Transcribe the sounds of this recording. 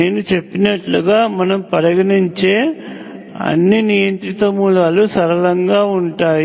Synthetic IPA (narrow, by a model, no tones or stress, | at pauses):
ne̞ːnut͡ʃe̞pːinɐʈluɡaːmɐnɐmpɐɾɐɡɐniɲt͡ʃe̞ː | ɐ̰nːinijɐnt̪ɾit̪ɐmulaːlusɐɾɐlɐŋɡaːuɳʈaːj